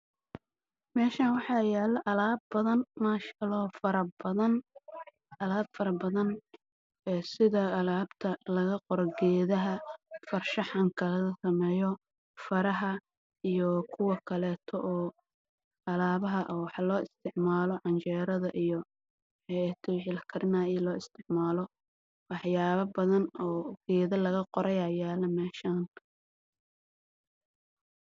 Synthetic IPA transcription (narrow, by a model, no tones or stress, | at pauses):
mɛːʃaːnwɑħɑjɛːlɐʔɐlaːbɐðɐnmaːʃɐlɔːfɐɾɐbɐðɐn | ɐlaːbfɐɾɐbɐðɐn | ɛːsɪðɐːlaːbt̪ʰɐlɐɣɐqɔɾɡɛːðɐɦɐfɐrʃɑħɑŋkʰɐlɐɣɐsɐmɛjɔ | fɐɾɐɦɐ | ijɔkʰʊwɑkʰɐlɛːt̪ʰɔʔɔː | ɐlaːβɐɦɐʔɔːwɑħɑlɔːɪst̪ʰɪʕmaːlɔʕɑnt͡ʃɛːɾɐðɐʔijɔ | ħɛɛt̪ʰɔwɪħɪlkʰɐɾɪnaːjilɔːɪst̪ʰɪʕmaːlɔ | wɑħjaːβɐbɐðɐnɔːɡ̥ɛːðɐlɐɣɐqɔɾɐjajaːlɐmɛːʃaːn